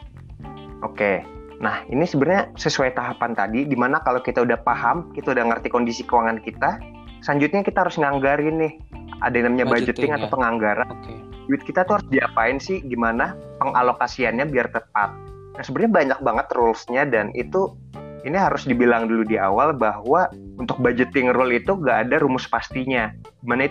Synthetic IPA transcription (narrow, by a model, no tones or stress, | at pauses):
ʔoke | nahḭnisəbərɲasəsuajt̪aɦapant̪adidimanakalokit̪audahpahamkit̪audahŋərt̪ikondisikəwaŋankit̪a | saɲd͡ʒʊt̪̚ɲakit̪aɦaɾʊsŋaŋɡaɾinɪh | a̰dainamɲabad͡ʒʊt̪ːɪŋat̪awpəŋaŋɡaɾan | d͡ʒuɪt̪̚kit̪at̪uhaɾʊsdiapaɪnsɪhɡimana | pəŋʔa̰lokasianɲabiart̪əpat̪̚ | dansəbət̪ɲabaɲak̚baŋət̪rʊlsɲadanit̪u | iniɦaɾʊsdibilaŋduludia̰walbahwa | unt̪ʊk̚bad͡ʒət̪ɪŋrɔlit̪uŋɡaːdaɾumʊspast̪iɲa | ɡimanait̪